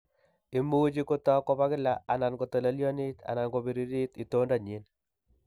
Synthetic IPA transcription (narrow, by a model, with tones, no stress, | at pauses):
i˦mu˦d͡ʒi˦ko˦tɔ˦kɔ˦βa˦kɪ˦laa˨na˨nko˨tɔ˨la˦ljɔ˦ni˦t̪ʰa̰˨na˨nko˨bi˨ɾi˦ɾi˦t̪i˨to˦nda˨ɲe˨˦n